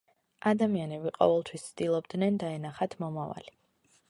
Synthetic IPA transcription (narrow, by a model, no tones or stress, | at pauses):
ad̪amianɛbiqʼɔ̰vɛlˠt̪ʰwist̪sʰt̪ilˠɔbd̪nɛnd̪aɛnaχat̪ʰmɔmava̰li